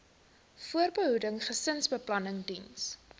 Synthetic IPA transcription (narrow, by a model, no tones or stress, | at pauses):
fuərbəɦudəŋχəsənsbəplɐnəŋdins